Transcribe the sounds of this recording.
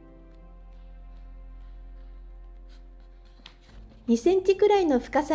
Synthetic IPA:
ɲisẽ̞ɲ̟t͡ɕikɯ̟ɾaino̞ɸɯ̟̥kasa

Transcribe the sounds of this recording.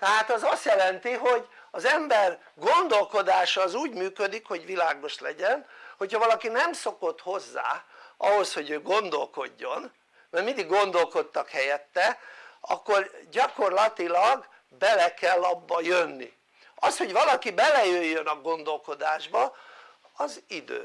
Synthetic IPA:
t̪ɛɦaːt̪ɒzɒst̪jɛlɛnt̪iɦo̞ɟ | ɒzɛmbɛr | ɡo̞nd̪o̞lko̞d̪aːʃɒːzuːɟmyːkød̪ikho̞ɟʋilaːɡo̞ʃlɛ̰ɟɛnho̞chɒvɒlɒkinɛmso̞ko̞t̪ho̞zːa̰ːʔɒɦo̞sho̞ɟøːɡo̞nd̪o̞lko̞ɟːo̞n | mɛrmind̪iɡːo̞nd̪o̞lko̞t̪ːɒkhɛjɛt̪ːɛɒ̰kːorɟɒko̞rlɒt̪ilɒɡ | bɛlɛkɛlːɒbːɒjønːḭ | ɒsho̞ɟʋɒlɒkibɛlɛjøjːønɒɡo̞nd̪o̞lko̞d̪aːʒbɒ | ɒzid̪ø̰ː

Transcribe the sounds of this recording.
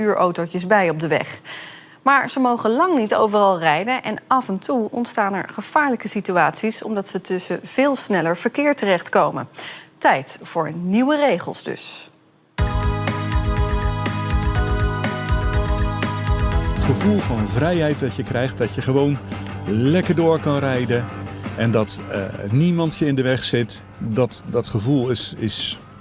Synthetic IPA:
yːɹʔowtowcəzbɛjɔb̚dəʋɛ̰χ | maːɹz̥əmowχəlɑŋnitowvərɑlˠrɛjdənʔɛnʔɑvɛntuɔ̰ntstaːnɛ̰ɹχəv̥aːɹləkəsityaːtsisɔ̰mdɑtsətɵsəv̥ɪːlˠsnɛləɹv̥əɹkɪːɹtərɛχtkowmə̰ntɛjtfʊːɹniwərejχə̰lˠzdɵ̰s | ətχəvulˠvɑnənvrɛjɦɛjtdɑtjəkrɛjχt̚dɑtjəχəʋown | lɛkəɹdʊːɹkɑnrɛjdənɛndɑtnimɑntjəɪndəʋɛχsɪt | dɑtdɑtχəvulˠɪs

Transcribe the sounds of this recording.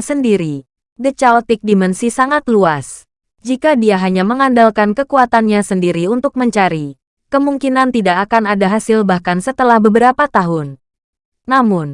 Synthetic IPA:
səndiɾi | dət͡ʃalt̪ɪk̚dimɛnsisaŋat̪luas | d͡ʒikadiaɦaɲaməŋandalkankəkuat̪anɲasəndiɾiunt̪ʊk̚məɲt͡ʃaɾi | kəmuŋkinant̪idaʔːkanadaɦasɪlbahkansət̪əlahbəbəɾapat̪aɦʊnː | amʊn

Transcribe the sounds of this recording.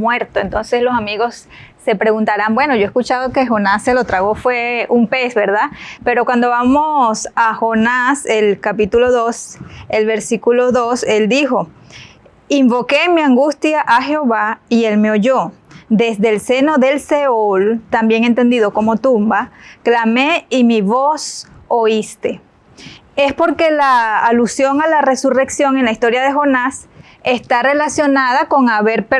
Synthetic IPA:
mwe̞ɾt̪oent̪o̞nse̞slo̞samiɣo̞sː | e̞pɾeɣunt̪aɾambwe̞no̞ʝoeskut͡ʃað̞o̞ke̞xo̞nasːelo̞t̪ɾaɣo̞fwe̞umpe̞sβe̞ɾðape̞ɾo̞kwand̪o̞βamosaxo̞naselkapit̪ulo̞ðo̞selβe̞ɾsikuloðo̞se̞ld̪ixo̞ | iɱbo̞ke̞miaŋɡust̪jaʔaxeoβaielme̞oʝod̪e̞zðelse̞no̞ðe̞lse̞oolt̪ambje̞ŋe̞nt̪e̞nd̪iðo̞komo̞t̪umbaklame̞imiβo̞so̞ist̪e̞ | e̞spo̞ɾke̞laːlusjo̞ŋalare̞sure̞ksjo̞ŋe̞nlaist̪o̞ɾjaðe̞xo̞nas | e̞st̪are̞lasjo̞naðako̞ŋaβe̞ɾpe

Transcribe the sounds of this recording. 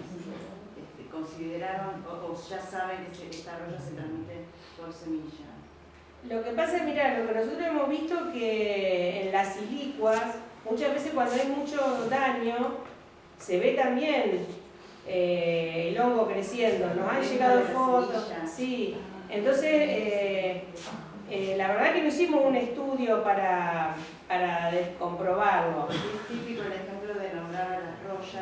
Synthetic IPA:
et̪eko̞nsiðeɾaβanoʔoʒ̥asaβeket̪eeht̪aroʒaset̪ɾãmit̪e | poɾsemiʒa | lo̞kepasaekmiɾalo̞kenos̬ot̪ɾosemo̞ɦβiht̪okeː | nlasilikwasmut͡ʃazβes̬ekwand̪oajmut͡ʃoðaɲo | seβet̪ambjen | eilo̞ŋɡo̞kɾesjend̪o̞nosanʒeɣaðofot̪osi | ent̪o̞nsese | elaβ̞eɾð̞akenoisimosune̞st̪uðjo̞paɾa | paɾaðesko̞mpɾo̞βaɾloset̪ipikoelexemploðelamɾaɾalaroʃa

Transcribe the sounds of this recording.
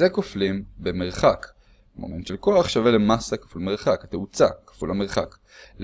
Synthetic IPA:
ekoflimbeme̞ʁχak | mo̰manʃelko̞aχʃavelemasakḁfulme̞ʁχakat̪eut͡sa̰kḁfulameʁχak | l

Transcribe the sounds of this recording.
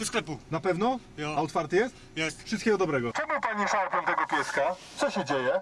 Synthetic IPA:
sklɛpunapɛvnɔjaɔt̪faɾt̪jɛst̪jɛst̪fʂɨst̪̚kʲɛɡɔd̪ɔbɾɛɡɔt͡ʂɛmupaɲiʂaɾpɔnt̪ɛɡɔpʲjɛskat̪sɔɕɛd͡ʑejɛ

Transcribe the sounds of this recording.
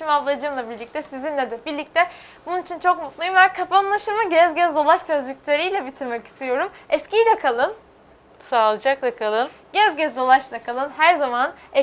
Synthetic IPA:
ʃimavlˠad͡ʒɯːmlˠabiɾlʲic̚t̪ʰɛsizinlʲɛd̪ɛbiɾlʲic̚t̪ʰɛ | bununit͡ʃʰint͡ʃʰo̞k̚mut̪lˠujumbɛnkʰapaanlˠaʃɯmɯɟɛzɟɛzd̪o̞lˠaʃsøzʲyc̚ʲt̪ʰʲeɾijlʲɛbit̪ʰiɾmɛci̥st̪ʰijo̞ɾumɛscijlʲɛkʰalˠɯn | saːlˠɯd͡ʒak̚lˠakʰalˠɯn | ɟɛzɟɛzd̪o̞lˠaʃlˠakʰalˠɯnhæɾzamanɛ

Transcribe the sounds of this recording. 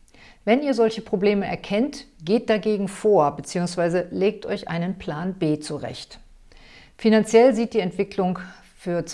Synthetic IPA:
vɛniːɐzɔlçəpʁ̥obleːməʔɛ̰ɐkʰɛntɡ̥eːt̚d̥aɡeːɡŋ̩foːɐbət͡siːʊŋsv̥aɪzəleːk̚tʰʔɔɪçʔa̰ɪnənpʰl̥aːnbeːt͡suʁɛ̰çt | finant͡sjɛlziːt̚d̥iːɛntv̥ɪkʰlʊŋ | fyːɐt͡s

